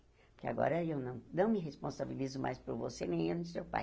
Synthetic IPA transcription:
pʊɾkea̰ɡɔ̰ɾɐewnɐ̃w̃nɐ̃w̃mɪɦespõsabilizʊmʔa̰jspʊɾvosenẽj̃ũʊsewpa̰j

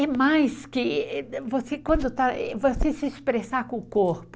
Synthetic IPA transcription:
ɛmajskɪvosekwɐ̃nd̪ʊt̪aɛvosesɪespɾesakõʊkoɾpʊ

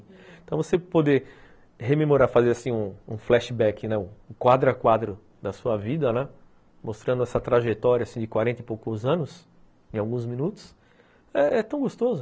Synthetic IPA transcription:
t̪ɐ̃w̃vosepod̪e | hememoɾaɾfazeɾasĩũũflɛʃɪbɛkɪnɛʊːkwad̪ɾɐkwad̪ɾʊ | d̪ɐsuɐvid̪ɐnɛ | most̪ɾɐ̃d̪ʊɛsɐt̪ɾaʒet̪ɔɾjɐasĩd͡ʒ̪ɪkwaɾẽnt̪ɐɪpowkʊzɐ̃nʊs | ẽawɡũzmĩnut̪ʊ̥s | ɛɛt̪ɐ̃w̃ɡost̪ozʊ

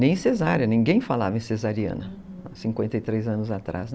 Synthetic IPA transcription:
nẽj̃sezaɾɐnĩɡẽj̃falavẽsezaɾiɐ̰̃nɐ | asĩkwẽnt̪ɐjt̪ɾejzɐ̃nʊzat̪ɾa̰z

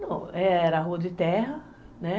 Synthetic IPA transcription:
nɐ̃wɛɛɾɐɦuɐd̪ɪt̪ɛɦɐ | nɛ

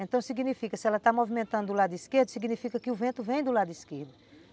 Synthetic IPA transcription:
ẽnt̪ɐ̃w̃siɡinifikɐsɪɛlɐt̪amovimẽnt̪ɐ̃nd̪ʊʊlad̪ʊiskeɾd̪ʊsiɡinifikɐkɪʊvẽnt̪ʊvẽj̃d̪ʊlad̪ʊiskeɾd̪ʊ

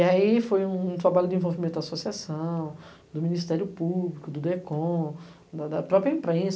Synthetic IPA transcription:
aifojũũt̪ɾabaʎʊd̪ɪẽvowvimẽt̪ʊd̪asosiasɐ̃w̃ | d̪ʊmĩnist̪ɛɾjʊpublikʊd̪ʊd̪ekõ | d̪ɐd̪ɐpɾɔpɾjɐĩpɾẽs

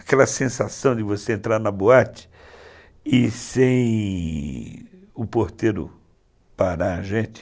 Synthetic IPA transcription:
akɛlɐsẽsasɐ̃w̃d͡ʒ̪ɪvoseẽnt̪ɾaɾnɐboat͡ʃɪ̥ | ɪsẽj̃ | ʊpoɾt̪eɾʊ̰ | paɾaaʒẽt͡ʃ̪ɪ̥

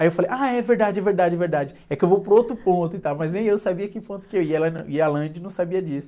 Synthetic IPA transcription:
ajewfalejʔaɛveɾd̪ad͡ʒɪɛveɾd̪ad͡ʒɪɛveɾd̪ad͡ʒɪɛkɪewvowpɾowt̪ɾʊpõnt̪ʊit̪awmɐznẽj̃ewsabiɐkɪpõt̪ʊ̥kɪewiɛlɐnɐ̃ialɐ̃d͡ʒɪnɐ̃w̃sabiɐd͡ʒisʊ

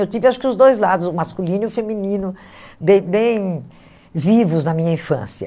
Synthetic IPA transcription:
ewt̪ivɪaʃʊ̥kɪʊzd̪ojzlad̪ʊzʊmaskulĩnʊfemĩnĩnʊ | bẽj̃bẽj̃ | vivʊznɐmĩɲɐĩfɐ̰̃sjɐ

